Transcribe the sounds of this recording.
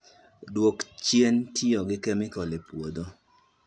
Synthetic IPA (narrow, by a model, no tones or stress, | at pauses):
dwokt͡ʃjentʰiɔɡɪkɛmɪkɔlepwod̪o